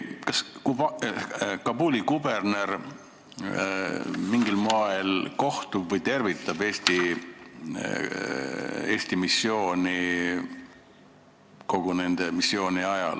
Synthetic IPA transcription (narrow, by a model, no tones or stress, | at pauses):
kɑskub | kɑbuːlʲikube̞rne̞r | miŋɡilmoelko̞ht̪ubvɤjt̪e̞rvit̪ːˑɑbe̞ːst̪i | e̞ːsʲt̪imisːjo̞ːnʲi | ko̞ɡ̥une̞nd̪̥e̞misːjo̞ːniɑjɑ̰l